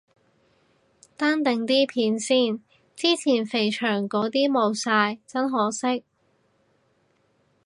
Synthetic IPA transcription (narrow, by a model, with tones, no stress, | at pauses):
t̪aː˥nt̪ɪ˨ŋt̪iː˥pʰiː˨˥nsiː˥˩n | t͡siː˥t͡sʰiː˨˩nfe˨˩jt͡ʃʰœː˨˩ŋkɔː˨˥t̪iː˥mo˨˧wsaː˧jt͡sɐ˥nɦɔː˨˥sɪ˥k̚